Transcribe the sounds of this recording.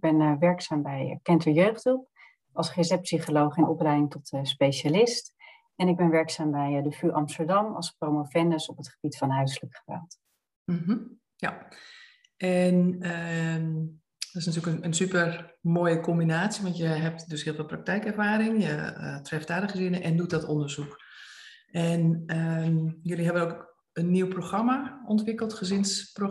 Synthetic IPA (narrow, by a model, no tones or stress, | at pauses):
ɡ̚b̥ɛnʋɛɹksaːmbɛjkɛntəɹjøɥχdup̚ | ɑlˠsχezɛpsiχolowχɪnʔɔplɛjdɪŋtɔtspejʃalɪst | ɛnɪɡ̚bɛnʋɛɹksaːmbɛjdəfyʔɑmstəɹdɑmɑ̰lˠsprowmofɛndəsɔpətχəb̥itfɑnɦœɥsləkχəʋɛ̰lˠt | m̩ɦm̩ | ja | ɛnə | dɔtɪsnatyːləknənsypərmoːjəkɔmbinaːtsjiʋɑntjəɦɛp̚tdøshɪːlˠʋɔlˠprak̚tɛjkɛrfaːɾɪŋjə̰trɛftaːdəχəzɪnəʔɛndut̚dɔtondərzuk | ʔɛnəmjøliɦɛbənoːk | ənːiwproχramaʔɔntʋɪkəlˠtχəzɪnspro